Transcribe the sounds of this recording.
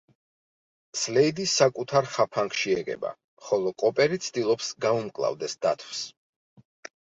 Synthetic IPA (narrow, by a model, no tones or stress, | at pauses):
slɛid̪isːakʼut̪ʰaɾχapʰaŋkʰʃiɛɡɛ̰ba̰ | χɔlˠɔkʼɔpʼɛɾit̪sʰd̪ilˠɔpsɡaumkʼlˠa̰vd̪ɛsd̪at̪ʰws